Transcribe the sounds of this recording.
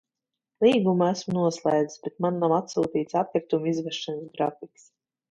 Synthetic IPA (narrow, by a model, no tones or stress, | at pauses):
lˠiːɡumæsmnuɔslˠɛjd̪isbet̪̚manːamat̪suːt̪iːt̪sapʲkiɾt̪umizvɛʃansɡɾafiks